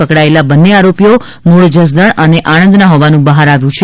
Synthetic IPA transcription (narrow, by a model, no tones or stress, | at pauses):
əkɽaelabənːeaɾopijo | moɽd͡ʒəs̬d̪əɳəneʔanə̃nd̪naɦoʋanũbəɦaɾaʋjũt͡ʃʰe